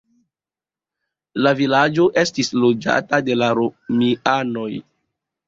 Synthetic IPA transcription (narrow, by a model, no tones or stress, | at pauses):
lavilad͡ʒo̞ʔe̞stislo̞d͡ʒa̰tade̞laɾomiano̞j